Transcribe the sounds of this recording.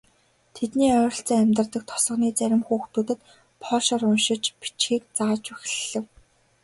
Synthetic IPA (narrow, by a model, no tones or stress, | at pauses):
t̪ʰet̪niːœːɾ̆ɬt͡sæːæmʲt̪ə̆rt̪ə̆k̚t̪ʰɔ̥sɞ̆χniːt͡sæɾʲɪ̆mxuːxt̪uːt̪ɘ̆t̪ | pʰɔːɮʃɔɾʊnʃɪ̆t͡ɕpi̥t͡ɕxiːk̚t͡saːt͡ɕux̆ʲɮɮɘ̆w